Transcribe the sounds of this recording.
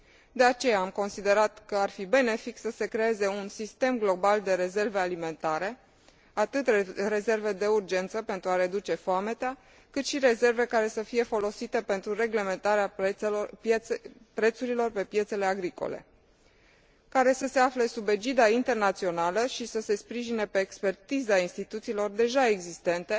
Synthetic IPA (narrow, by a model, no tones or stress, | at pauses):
d̪e̞at͡ʃe̞jaːmko̞nsid̪e̞ɾat̪kəarfibe̞ne̞fiksəse̞kɾe̞e̞ze̞unsist̪e̞mɡlo̞bald̪e̞ɾe̞ze̞rve̞alime̞nt̪aɾe̞ | at̪ɨt̪rre̞ze̞rve̞d̪e̞urd͡ʒe̞nt̪səpe̞nt̪ɾuaɾe̞d̪ut͡ʃe̞foamet̪ea | kɨt̪ʃiɾe̞ze̞rve̞kaɾe̞səfije̞fo̞lo̞sit̪e̞pe̞nt̪ɾure̞ɡle̞me̞nt̪aɾeap | pɾe̞t̪suɾilo̞rpe̞pje̞t̪se̞le̞aɡɾiko̞̰le̞̰ | kaɾe̞səse̞afle̞sube̞d͡ʒid̪aint̪e̞rnat̪sio̞naləʃisəse̞spɾiʒine̞pe̞ːkspe̞rt̪izainst̪it̪ut̪siːlo̞rd̪e̞ʒae̞ɡzist̪e̞nt̪e̞